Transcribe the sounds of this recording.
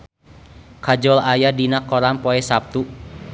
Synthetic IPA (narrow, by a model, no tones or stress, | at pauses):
kad͡ʒɔlajadinakːɔɾampɔɛsap̚t̪u